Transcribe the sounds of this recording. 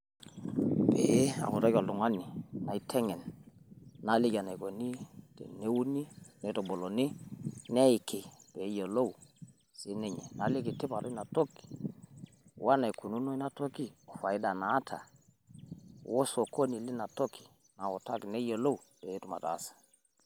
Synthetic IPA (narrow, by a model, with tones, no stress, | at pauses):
bḛ˨˦a̰˨ku˨ta˦ka˨lu˨ŋa˦ni˨na˨i˦tʰɛ˦ŋɛ˨nː | a˨˦li˦ka˨na˨ko˨ni˦tḛ˨ne˦wu˦ni˦nɛ˨˦to˨bo˨lo˨ni˦nɛ˦i˨ke˨pe˨˦jo˨lo˦w | si˦ne˦ɲɛ̰˨na˨le˦ki˨ti˦pa˨ɾo˦i˦na˨to˦ki̥˨ | wʔa˦na˨i˨ku˨nu˦no˦i˦na˦to˦ki˦˨o˨fa˨i˦da˨naː˨˦tʰa̰˨ | wʔo˦so˨ko˦ni˨li˦na˨to˦ki̥˨ | na˨wɔ˨ta˦ki˨nɛ˦jo˨lo˦wbe˨˦tu˦˨ma̰˨ta̰˨˦˨sḁ˨